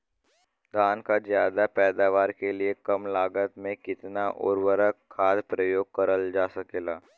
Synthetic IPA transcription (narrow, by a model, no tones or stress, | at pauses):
d̪ʱaːnkazjaːd̪apɛːd̪aːʋaːɾkeliekɐmlaːɡət̪mẽkɪt̪naʔʊ̰ɾwəɾəkʰːaːd̪pɾəjoːɡ̚kɐɾəld͡ʒaːsɐkeːlaː